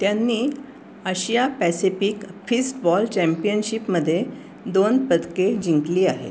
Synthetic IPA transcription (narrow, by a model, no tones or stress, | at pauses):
t̪janːiː | əɕijapæsifikfisʈbɔlt͡ɕɛ̃mpijənɕipməd̪ʱːje | d̪onpəd̪ked͡ʑiŋkliːaɦḛt̪